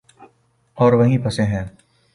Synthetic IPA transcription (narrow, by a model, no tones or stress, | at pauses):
ɔːɾʋɐɦĩpɐsẽɦɛ̃ː